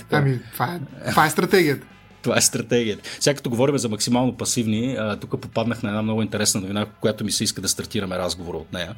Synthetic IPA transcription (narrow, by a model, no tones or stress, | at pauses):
ɐmit̪vaɛovaɛst̪ɾɐt̪ɛɡijət̪ə | t̪ovaɛst̪ɾɐt̪ɛɡiət̪ə̥fsɛɡakɐt̪oɡovɔɾimɛzɐmɐksimalˠnopɐsivniət̪ukəpopad̪nəxnɐɛd̪amnɔɡʊint̪ɛɾɛsnɐnʊvinakːʊjat̪ʊmisɛiskəd̪ɐst̪ɐɾt̪iɾɐmɛɾazɡovoɾəot̪nɛjə